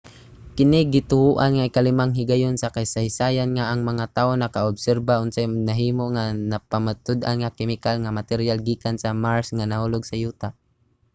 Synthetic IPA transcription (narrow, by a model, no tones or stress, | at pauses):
kɪnɪɡɪt̪ʊhuːʔanŋaɪkalɪmaŋɦɪɡajonsakajsajsaːjanŋaʔːŋmaŋat̪aːʔonɐkaʊbsɛɾbaʊnsanaɦiːmoŋanapamat̪ʊd̪a̰nŋakɪmɪkalŋamat̪ɛɾjalɡiːkansamaɹsŋanahuːloɡsajuːt̪a